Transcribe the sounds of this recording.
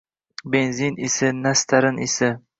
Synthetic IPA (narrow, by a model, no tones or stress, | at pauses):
benzinɪsɪnast̪ʰaɾɪnʔɪ̰sɪ